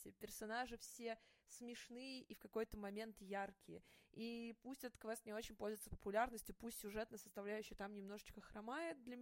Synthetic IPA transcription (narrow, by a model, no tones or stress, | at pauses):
tʲɪpʲɪrsɐnaʐɨfsʲe̞smʲɪʂnɨjəʔifkɐko̞jt̪əmɐmʲe̞nt̪jarkʲɪjəipusʲtʲət̪kvɛst̪nʲɪo̞t͡ɕɪnʲpo̞lʲzʊvɪt̪səpə̥pʊlʲarnəsʲtʲjʊpusʲtʲsʲʊʐɛt̪nəsə̥st̪ɐvlʲæjʉɕːɪjət̪amnʲɪmno̞ʐɨt͡ɕkəxɾɐmajɪt̪̚d̪lʲɐ